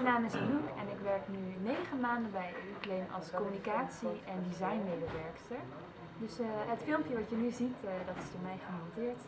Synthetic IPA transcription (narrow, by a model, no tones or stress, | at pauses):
naːmɪsənukɛnɪkʋɛɹknynejχənmaːndəbɛjyklejmʔɑ̰lˠskɔmynikaːtsiʔɛndizɑjnmedəʋɛɹkstəɹ | dɵsɦətfɪlˠmpjəʋɑtjənyzitdɑtɪ̥sd̥oːɹmɛjχəmɔntɪːɹt